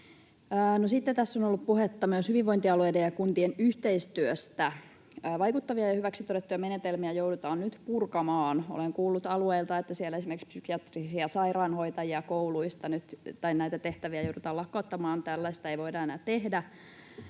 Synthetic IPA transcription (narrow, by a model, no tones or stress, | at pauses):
əːnosit̪ːet̪æsːonolːuppuhet̪ːɑmyøshyʋiʋʋoint̪iɑlueidejjɑkunt̪ienyht̪eist̪yøst̪æː | ʋɑikut̪ːɑʋiɑjɑhyʋæksit̪oɾet̪ːujɑmenet̪elmiæjoudut̪ɑːnnyt̪purkɑmɑːno̰leŋkuːlːut̪ɑlueilt̪ɑet̪ːæsielesimerkspsykiɑt̪risiɑsɑirɑːnhoit̪ɑjiɑkouluist̪ɑnyt̪t̪ɑinnæit̪æt̪eht̪æʋiæjoudut̪ɑːlɑkːɑut̪ːɑmɑːnt̪ælːæst̪ɑeiʋoidɑenæːt̪ehdæ